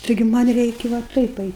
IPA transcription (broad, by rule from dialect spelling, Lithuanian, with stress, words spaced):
tɐɪˈɡʲɪ ˈmɐnʲ ˈrʲɛɪkʲɪ ʋɐ ˈtɐɪp ˈɐɪtʲ